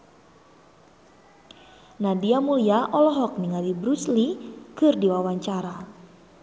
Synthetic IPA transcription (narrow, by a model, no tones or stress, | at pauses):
nadiamuliaʔɔlɔɦɔk̚niŋalibɾuslikɨrdiwawaɲt͡ʃaɾa